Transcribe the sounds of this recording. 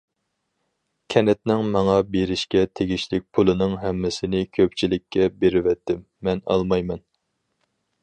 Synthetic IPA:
kʲʰɛnɛt̪nɪŋmɑŋɑbeɾɪʃkʲɛt̪ʰeɡʲiʃlɪk̚ʲpʰulˠɨnɨŋɦɛmːɪsɪnɪkʲʰøp̚t͡ʃʰilɪkʲʰːɛbeɾɪvɛt̪ʰːɪmːɛnɑ̰lˠmɑjmɛn

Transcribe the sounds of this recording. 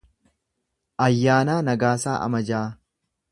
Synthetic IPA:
ʔɐjːaːnaːnɐɡaːsaːʔɐ̰mɐd͡ʒaː

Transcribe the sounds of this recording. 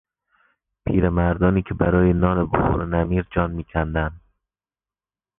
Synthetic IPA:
pʰiːɾemæɾd̪ɒːniːkʲʰebæɾɒːjenɒːnebo̰hṵɾnæmiːɾd͡ʒɒːnmiːkʰænd̪ænd̪

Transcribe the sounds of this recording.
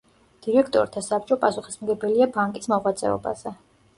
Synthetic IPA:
d̪̥iɾɛkʰt̪ʼɔ̰ɾt̪ʰasap̚ʼt͡ʃʼɔpʼasuχismɡɛbɛliabaŋkʼismɔʁwat̪sʼɛ̰ɔ̰ba̰z̥ɛ

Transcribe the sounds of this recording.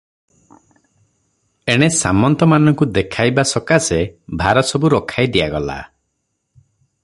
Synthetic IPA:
eɽ̃esamɔnt̪ɔmanɔŋkud̪ekʰajbasɔkasebʱaɾɔsɔbuɾɔkʰajd̪iaɡɔla̰

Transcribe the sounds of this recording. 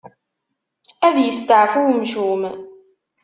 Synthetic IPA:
æðjəst̪əʕfuwmʃum

